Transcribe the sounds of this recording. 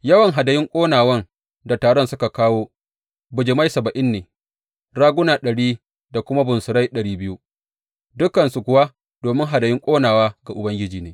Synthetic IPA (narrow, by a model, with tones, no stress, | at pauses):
jɐ˦wɐ˨ŋɦa˨dɐ˨jɪ˦ŋkʷʼoː˦naː˨wɐ˦n | da˨taː˨ɽɔ˦˨nsʊ˦ka˨kaː˦woː˦ | bʊ˨d͡ʒɪ˨ma˦jsɐ˨bɐ˨ʔɪ˦nːeː˨ | ɽaː˦ɡʷʊ˦naː˨ɗɐ˨ɽiː˦ | da˨kʷʊ˦ma˦bʊ˨nsʊ˨ɾa˦jɗɐ˨ɽiː˦bɪ˦ju˦ | dʊ˦kːɐ˨nsu˨kʷʊ˨wa˦ | d̥oː˨mɪ˦ŋɦa˨dɐ˨jɪ˦ŋkʷʼoː˦naː˨waː˦ɡa˨ʔʊ˨bɐ˦ŋɡʲɪ˦d͡ʒiː˨neː˦